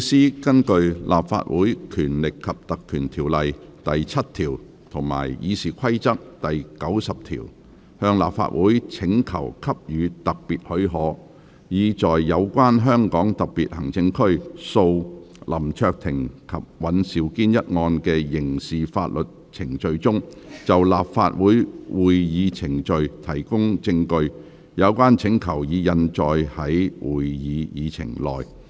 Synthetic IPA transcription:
siː˥kɐ˥nkɵ˧ɥlʔa̰ː˨pfa̰ː˧t̚wuː˨˥jkʰyː˨˩nlɪ˨kʰːɐ˨p̚t̪ɐ˨kʰːyː˨˩nt̪ʰiː˨˩wlɐ˨jt̪ɐ˨jt͡sʰɐ˥t̚t̪ʰiː˨˩w | t̪ʰʊ˨˩ŋma̰ː˨˩jjḭː˨˧siː˨˩kʰɐ˥jt͡sɐ˥k̚t̪ɐ˨jkɐ˨˥wsɐ˨p̚t̪ʰḭː˨˩w | hœː˧ŋla̰ː˨p̚fa̰ː˧t̚wʔuː˨˥jt͡sʰɪ˨˥ŋkʰɐ˨˩wkʰɐ˥p̚jyː˨˧t̪ɐ˨k̚piː˨t̚hɵ˨˥ɥɦɔː˨˧˥ | jiː˨˧t͡sɔː˨jːɐ˨˧wkʷwaː˥nɦœː˥ŋkɔː˨˥ŋt̪ɐ˨k̚piː˨t̚hɐ˨˩ŋt͡sɪ˧ŋkʰɵ˥ɥso˧wlʔɐ˨˩mt͡ʃʰœː˧k̚t̪ʰɪ˨˩ŋkʰɐ˨p̚wɐ˨˥nsiː˨˥wkiː˥njɐ˥t̚ŋɔː˧nkɛː˧jɪ˨˩ŋsiː˨fa̰ː˧t̚lɵ˨t̚t͡sʰɪ˨˩ŋt͡ʃɵ˨ɥt͡ʃʊ˥ŋt͡sɐ˨wla̰ː˨pfa̰ː˧t̚wuː˨˥jwuː˨jjiː˨˧t͡sʰɪ˨˩ŋt͡ʃɵ˨˧ɥt̪ʰɐ˨˩jkʊ˥ŋt͡sɪ˧ŋkɵ˧ɥ | jɐ˨˧wkʷaː˥nt͡sʰɪ˨˥ŋkʰɐ˨˩wjiː˨˧jɐ˧nt͡ʃɔː˨jhɐ˨˥jwuː˨˩jjiː˨˧jiː˨˧t͡sʰɪ̰˨˩ŋlɔ̰ː˨j

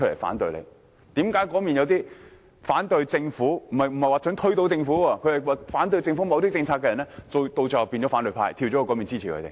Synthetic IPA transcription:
ɵ˥le˨˩fa̰ː˨˥nt̪ɵ˧ɥlḛ˨˧j | t̪iː˨˥mkaː˨˥jkɔː˨˥miː˨njɐ˨˧wt̪iː˥ | faː˨˥nt̪ɵ˧ɥt͡sɪ˧ŋfuː˨˥m̩˨˩hɐ˨jm̩˨˩hɐ˨jwaː˨t͡sʰɵ˨˥ŋt̪ʰɵ˥t̪o˧˥wt͡sɪ˧ŋfuː˨˥ɔː˧kʰɵ˧hɐ˨˩jwaː˨˧faː˨˥nt̪̬ɵ˧ɥjt͡sɪ˧ŋfu˨˥mɐ˨˧wt̪iː˥t͡sɪ˧ŋt͡sʰaː˧kɛ˧jɐ˨˩nlɛː˥o˧wt̪o˧wt͡sɐ˨piː˧nt͡ɕɔ˨˥faː˨˥nt̪ɵ˨˧ɥpʰa̰ː˧jt̪ʰiː˧wɔ˨˥ɔ˧kɔː˨˥mi˨nt͡siː˥iː˨kʰɵ̰˨˧t̪e˨˩

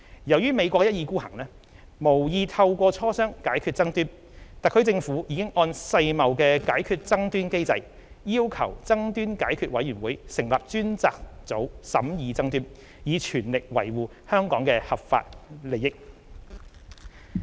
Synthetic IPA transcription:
jɐ˨˩wjyː˥me˨˧jkʷɔː˧k̚jɐ˥t̚jiː˧kuː˥hɐ˨˩ŋlɛː˥ | mo˨˩wjiː˨˧t̪ʰɐ˧wkʷɔː˧t͡ʃʰɔː˥sœː˥ŋkaː˨˥jkʰyː˧t̚t͡sɐ˥ŋt̪yː˥n | t̪aː˨kʰɵ˧˥ɥt͡sɪ˧ŋfuː˨˥jiː˨˧kɪ˥ŋʔɔː˧nsɐ˧jmɐ˨wkɛː˧kaː˨˥jkʰyː˧t̚t͡sɐ˥ŋt̪yː˥nke˥jt͡sɐ˧j | jiː˥wkʰɐ̰˨˩wt͡sɐ˥ŋt̪yː˥nkaː˨˥jkʰyː˧t̚wɐ˨˥jɥyː˨˩nwuː˨˥jsɪ˨˩ŋlaː˨p̚t͡ʃyː˥nt͡saː˧k̚t͡so˨˥wsɐ̰˨˥mjiː˨˧t͡sɐ˥ŋt̪yː˥n | jiː˨˧t͡ʃʰyː˨˩nlɪ˨k̚wɐ̰˨˩jwuː˨ | hœː˥ŋkɔː˨˥ŋkɛː˧hɐ˨p̚fa̰ː˧t̚le˨˩jɪ˥k̚

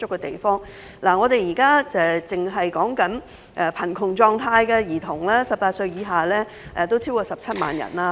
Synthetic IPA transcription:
ʊ˥kːɛ˧t̪e˨jfɔː˥ŋ | laː˨˩ŋɔː˨˧t̪e˨jiː˨˩kaː˥ɛː˨˧t͡sɪ˨ŋɦɐ˨jkɔː˨˥ŋkɐ˨˥n | ʔɛ˧pʰɐ˨˩nkʰʊ˨˩ŋt͡sɔː˨˧ŋt̪ʰaː˧jkɛ˧jiː˨˩t̪ʰʊ˨˩ŋlaː˥sɐ˨p̚paː˧t̚sɵ˧ɥjiː˨˧ɦaː˨lɛː˥ | ʔɛ˨˧t̪o˥wt͡sʰiː˥wkɔː˧sɐ˨p̚t͡sʰɐ˥t̚ma̰ː˨njɐ̰˨˩naː˧

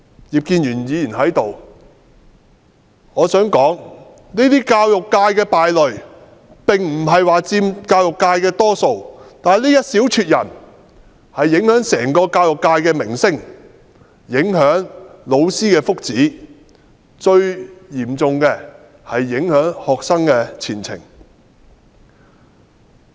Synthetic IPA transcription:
jiː˨p̚kiː˧njyː˨˩njiː˨˧jiː˨˩nɦɐ˨˥jt̪o˨w | ŋɔː˨˧sœː˨˥ŋkɔː˨˥ŋ | niː˥t̪iː˥kaː˧wjʊ˨kːaː˧jkɛː˧paː˨jlɵ˨˩ɥ | pɪ˨ŋm̩˨˩ɦɐ˨jwaː˨˩t͡siː˧mkaː˧wjʊ˨kːaː˧jkɛː˧t̪ɔː˥so˨˧wt̪aː˨nliː˥jɐ˥t̚siː˨˥wt͡ʃʰyː˧t̚jɐ̰˨˩n | hɐ˨jːɪ˨˥ŋhœː˨˥ŋsɛː˨˩ŋkɔː˧kaː˧wjʊ˨kːaː˧jkɛː˧mɪ˨˩ŋsɪ˥ŋ | jɪ˨˥ŋɦœː˨˥ŋlo˨˧wsiː˥kɛː˧fʊ˥k̚t͡siː˨˥ | t͡ʃɵ˧ɥjiː˨˩mt͡sʊ˨˧ŋkɛː˧ | hɐ˨jːɪ˨˥ŋhœː˨˥ŋhɔː˨˩k̚sɐ˥ŋkɛː˧t͡sʰiː˨˩nt͡sʰɪ̰˨˩ŋ

